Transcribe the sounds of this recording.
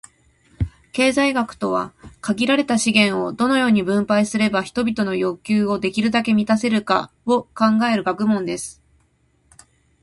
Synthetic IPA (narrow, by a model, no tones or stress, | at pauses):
ke̞ːzaiɡakɯ̟̥t̪o̞β̞a̰kaɡʲiɾaɾe̞t̪aɕiɡẽ̞ɰ̃o̞d̪o̞no̞jo̞ːɲ̟ibɯ̟̃mpaisɨɾe̞baçi̥t̪o̞bʲit̪o̞no̞jo̞kʲɨːo̞d̪e̞kʲiɾɯ̟d̪ake̞mʲit̪ase̞ɾɯ̟ka̰ | o̞kãŋɡae̞ɾɯ̟ɡakɯ̟mõ̞nd̪e̞sɨ̥